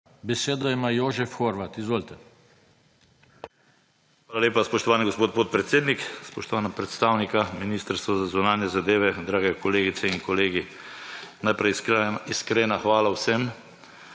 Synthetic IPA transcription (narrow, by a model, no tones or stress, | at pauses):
bɛseːd̪ɔjɛmajoːʒɛfxoɾʋat̪izʋoːlt̪ɛ | xʋaːlaleːpaspɔʃt̪ɔʋaːniɡospoːt̪̚poːt̪̚pɾɛt̪seːd̪nikspɔʃt̪ɔʋaːnapɾɛt̪st̪aːwnikaminiːst̪əɾst̪ʋazazunaːnjɛzad̪eːʋɛd̪ɾaːɡɛkɔleːɡit̪sɛiŋkɔleːɡi | najpɾɛjiskɾeːnaxʋaːlawsɛm